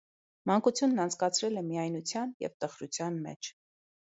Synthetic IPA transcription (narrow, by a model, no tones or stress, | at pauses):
mɑŋkut͡sʰjunːɑnt͡sʰkɑt͡sʰɾɛlɛmiɑjnut͡sʰjɑnjɛ̰vt̪əχɾut͡sʰjɑnmɛ̰t͡ʃʰ